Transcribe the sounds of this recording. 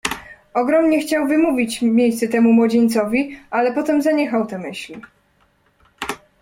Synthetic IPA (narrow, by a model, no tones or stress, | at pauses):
ɔɡɾɔmɲɛxt͡ɕawvɘmuvʲit͡ɕmʲjejst̪sɛt̪ɛmumwɔd͡ʑeɲt̪sɔvʲialɛpɔt̪ɛmzaɲɛxawt̪ɛmɘɕlʲi